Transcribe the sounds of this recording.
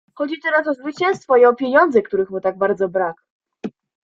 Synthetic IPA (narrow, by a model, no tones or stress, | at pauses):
xɔd͡ʑit̪ɛɾas̬ɔzvɘt͡ɕɛ̃w̃st̪fɔiɔpʲjeɲɔnd̪zɛkt̪uɾɘxmut̪aɡ̚baɾd̪zɔbɾak